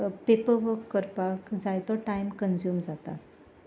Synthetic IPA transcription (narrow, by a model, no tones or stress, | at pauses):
pepəɾʋəɾkːəɾpakd͡zajt̪ɔʈajmkənd͡ʑjuːmd͡zat̪a̰